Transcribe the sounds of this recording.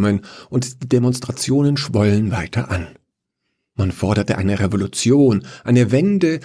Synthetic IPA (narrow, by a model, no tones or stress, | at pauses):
mənʔʊntd̥iːdemɔnstʁ̥at͡sjoːnənʃv̥ɔlənvaɪtʰɐ̰ʔan | manfɔɐdɐtəʔaɪnəʁevolut͡sjoːnʔaɪnəvɛndə